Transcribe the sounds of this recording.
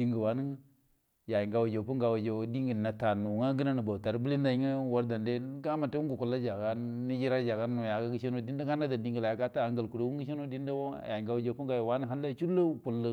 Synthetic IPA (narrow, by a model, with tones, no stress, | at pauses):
di˦ŋɡə˨wa˨˦nə˦ | ja˨ji˨ŋɡa˨wa˨d͡ʒo˨pu˦ŋɡa˨wa˨d͡ʒo˨˦di˦ŋ˦ɡə˨na˨ta˨nu˨ŋa˦ɡə˦na˦nu˨ba˨ta˨ɾbli˦nda˨i˦ŋə˦wo˦ɾda˨nde˦ɡa˦ma˨ta˦u˦ŋ˦ɡu˨ku˨la˦d͡ʒa˨ɡa˦ni˦d͡ʒi˦ɾa˦d͡ʒa˨ɡa˦n˦nu˨ja˨ɡa˦ɡi˦ʃe˦no˦di˦n˦da˦ŋɡa˦na˦da˨di˨ŋɡə˨la˨ja˨˦ka˦ta˦a˨ŋɡə˨lku˨ɾo˦wu˦ŋɡi˦ʃ̬e˦no˦di˦n˦da˦wo˦ja˨i˨ŋɡa˨wa˨d͡ʒo˨pu˦ŋɡa˨jo˨wa˦ni˦ɦa˦lːa˦t͡ʃu˦lə˦˨ku˨lə˨